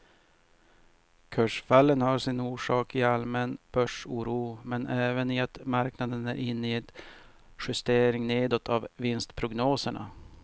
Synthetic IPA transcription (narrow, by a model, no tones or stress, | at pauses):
kʰœʂfalːənhaɾʂɪnuːʂɑːkɪalmɛnb̥œʂuːɾuːmɛnʔɛːvənɪat̪maɾknad̪ənæɾʔɪnːɪɛt̪ | ɧʏst̪eːɾɪŋneːd̪ɔt̪ʰːavvɪnst̪pʰɾʊɡnoːsəɳa̰